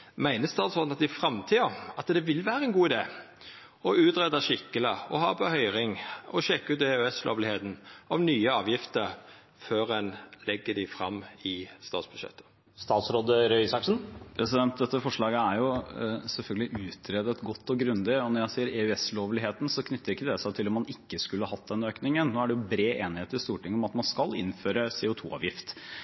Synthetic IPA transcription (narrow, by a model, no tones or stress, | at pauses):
mæɪnəst̪ɑːt̪sɾɔd̪nɑt̪̚d̪ɪfɾɑmt̪ʰiːɑɑt̪d̪ɛʋɪlʋæːɾəɛnɡuːɪd̪eː | ɔʉːt̪ɾɛd̪ɑʃɪkːələɔhɑbɔhœʏɾɪŋɔʃɛkːʉːt̪ɛʉɛslʔo̰ːʋlɪheːt̪n̩ɑʋnyːəɑːʋjɪft̪əɾ | føɾɛnlɛɡːəɖɪfɾɑ̰mːɪst̪ɑ̰ːt̪sb̥ʉʃɛ̰t̪ʰːə̥ | st̪ɑːt̪sɾoːd̪əɾœʏsɑksn̩pʰɾɛsɪd̪ɛnt̪̚d̪ɛt̪ːəfɔʂɭɑːɡəæɾjʊsɛlfœlɡəlɪʔʉːt̪ʰɾeːd̪ət̪ɡɔt̪ːɔɡɾʉnd̪ɪɔnɔɾjæɪsiːəɾeːʉɛsloːʋlɪheːt̪n̩sɔkʰnʏt̪ːəɾɪkːəd̪ɛsæɪt̪ʰɪlɔmːɑnɪkːəskʉləhɑhɑt̪̚ːd̪ɛnøːknɪŋənnoːæɖɛjʊbɾeːʔeːnɪheːt̪əɾɪst̪uːʈɪŋːɔmɑt̪mɑnskɑlɪ̰nføːɾəseːʊt̪ʰṵːɑ̰ːʋjɪft̪